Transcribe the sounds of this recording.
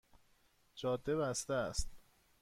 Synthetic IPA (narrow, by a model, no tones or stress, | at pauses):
d͡ʒɒːd̪ːebæst̪eæst̪